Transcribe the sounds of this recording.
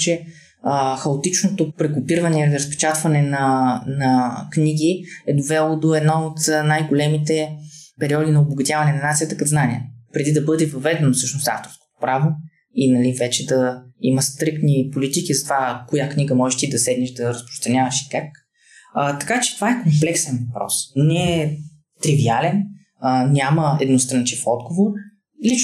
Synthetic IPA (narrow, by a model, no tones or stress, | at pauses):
t͡ʃɛ | xɐot̪it͡ʃnot̪opɾɛkʊpiɾvɐnɛiliɾəspɛ̥t͡ʃat̪vɐnɛnɐnɐkniɡʲiɛd̪ovɛlˠod̪oɛd̪noot̪najɡolɛmit̪ɛpɛɾiɔd̪inɐoboɡɐt̪javɐnɛnɐnat̪sijət̪əkɐd̪znaniə̰pɾɛd̪id̪ɐbɤd̪ɛvɐvɛd̪ɛnofsɤʃnost̪a̰ft̪oɾsko̥t̪o̥pɾavo | inɐlivɛt͡ʃɛd̪ɐiməst̪ɾik̚t̪nipolit̪ikizɐt̪ovakojakniɡəmɔʒɛʃt̪id̪ɐsɛd̪niʃd̪ɐɾɐspɾo̥st̪ɾɐnʲavɐʃi̥kakː | t̪ɐ̥kat͡ʃɛ̥t̪ovaɛkomplɛksɛnvɐpɾɔ̰snɛː | t̪ɾivialɛn | nʲaməɛd̪nost̪ɾɐnt͡ʃifɔd̪ɡovoɾ | lit͡ʃ